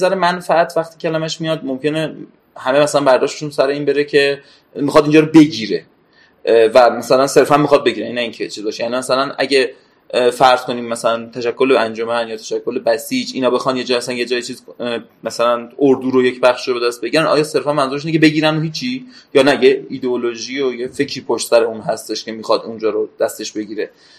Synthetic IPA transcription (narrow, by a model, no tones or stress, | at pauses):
zæɾemænfææt̪ʰvæxt̪ʰiːcʰælæmæʃmijɒd̪momce̞ne̞ | hæme̞mæsælænbæɾd̪ɒːʃt̪eʃunsæɾe̞iːnbe̞ɾecʰe̞ | mixɒd̪iːnd͡ʒɒːɾobe̞ɟiːɾe | væmæsælænse̞ɾfænmixɒd̪̚be̞ɟiːɾænnːæiːncʰet͡ʃʰiːzbɒːʃejænimæsælænʔæ̰ɟe | fæɾz̥ko̞niːmːæsælænt̪ʰæʃækʰːo̞leænd͡ʒomænjɒːt̪ʰæʃækʰːo̞lebæsiːd͡ʒinɒːbe̞xɒːnje̞d͡ʒɒːæsænjed͡ʒɒːjit͡ʃʰiːzmæsælænoɾd̪uːɾojecʰbæxʃiːɾoeæst̪̚be̞ɟiɾænɒ̰ːjɒːse̞ɾfænmænzuɾʃ̬inecʰebe̞ɟiːɾænoɦiːt͡ʃʰijɒːnæjeid̪eoloʒiojefe̞cʰɾiːpʰoʃt̪sæɾe̞unɦæst̪e̞ʃcʲʰe̞miːxɒd̪und͡ʒɒːɾod̪̥æst̪e̞ʃbe̞ɟiːɾe̞